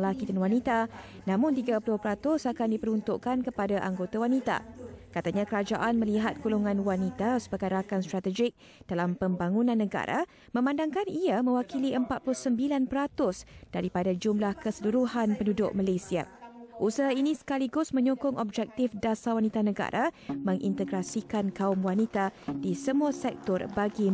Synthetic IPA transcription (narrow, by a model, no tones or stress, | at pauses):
lakit̪anwanit̪a | nãmʊ̃nt̪iɡapulʊhpəɾat̪ʊsakandipəɾunt̪ʊʔkankəpadaʔaŋɡot̪awanit̪a̰kat̪aɲãkəɾad͡ʒaʔanmə̃liɦat̪̚kuluŋãnwanit̪asəbaɡajɾakanst̪ɾat̪əd͡ʒɪk̚ | d̥alampəmbaŋũnãnːəɡa̰ɾa̰ | mə̃mãndaŋkaniamə̃wakiliəmpat̪̚plʊhsəmbilanpəɾat̪ʊsd̥aɾipadad͡ʒumlahkəsəluɾuhanpəndudʊʔ̚malesia̰ʔusaɦainĩsə̥kaliɡʊsmə̃ɲɔkʊŋɔb̚d͡ʒɛk̚t̪ɪfdasawanit̪anəɡa̰ɾʔamə̃ŋʔḭnt̪əɡɾasikankaʊmwanit̪adisəmũasɛk̚t̪ɔrbaɡi